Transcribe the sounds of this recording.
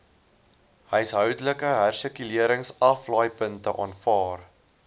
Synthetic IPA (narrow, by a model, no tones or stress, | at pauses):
ɦəjsɦœwdələkəɦærsəkyliəɾəŋsɐflɑːjpəntəʔɑ̰ːnfɑːr